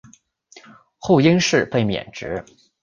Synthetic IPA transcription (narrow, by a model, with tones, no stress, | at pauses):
xo˥˩ʊi˥nʂɻ̩˥˧pe˥˩ɪmjɛ̰˨˩nʈ͡ʂɻ̩˧˥